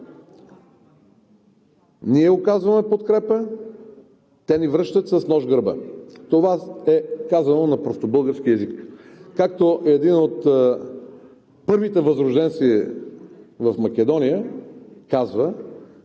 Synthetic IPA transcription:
niɛokazvəmɛpot̪kɾɛpə | t̪ɛnivɾɤʃt̪ət̪sɐsnɔʒɡəɾbə̰t̪ovaɛkazɐnonɐpɾost̪obɤlˠɡəɾskiɛzikkakt̪oʔɛd̪inot̪ | pɤɾvit̪ɛvəzɾʊʒd̪ɛnt̪si | vɐfmɐk̟ɛd̪ɔnijəkazvə

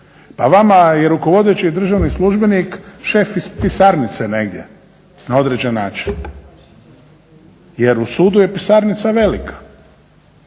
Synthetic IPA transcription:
paʋamaje̞ɾuko̞ʋo̞d̪et͡ɕid̪r̩ʒaʋnislˠuʒbenikʃe̞fispisaɾnit̪sene̞ɡd̪ʲje̞̰ | nao̞d̪ɾed͡ʑenːa̰ːt͡ʃin | je̞ɾusuːd̪uje̞pisaɾnit̪saʋe̞likʰḁ

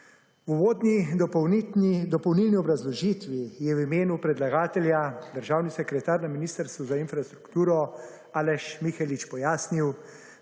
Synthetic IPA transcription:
wuʋoːd̪nid̪ɔpɔwnid̪ɔpɔwnilniɔbɾazlɔʒiːt̪ʋijɛwimeːnupɾɛd̪laɡaːt̪ɛljad̪əɾʒaːwnisɛkɾɛt̪aːɾnaminiːst̪əɾst̪ʋuzainfɾast̪ɾukt̪uːɾɔ | aːlɛʃmixɛlit͡ʃpɔjaːsniw

